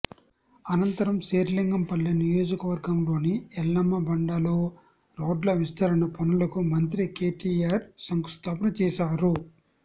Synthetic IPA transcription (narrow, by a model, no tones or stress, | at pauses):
ɐnɐnt̪ɐɾɐmseːɾliŋɡɐmpɐlːɐnijo̞ːd͡ʒɐkɐʋɐɾɡɐmlo̞ːniɛlːɐmːɐbɐɳɖaːloː | ɾo̞ːɖlɐʋist̪ɐɾɐnɐpunɐlɐkumɐnt̪ɾikeːʈiaːɾsɐŋkust̪ʰaːpɐnɐt͡ʃɛːʃaːɾu